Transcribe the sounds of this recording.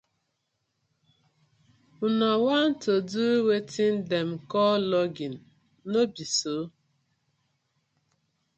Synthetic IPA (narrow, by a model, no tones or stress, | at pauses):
unɔwan̩toduwetin̩demkɔːlɔɡin̩ | nobiso